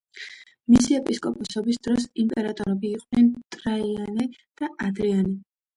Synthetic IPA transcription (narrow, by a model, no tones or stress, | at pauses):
misiɛpʼiskʼɔpʼɔsɔbisd̪̥ɾɔsimpʼɛɾat̪ʼɔɾɛbiːqʼnɛnt̪ʼɾaianɛd̪̥aʔad̪ɾianɛ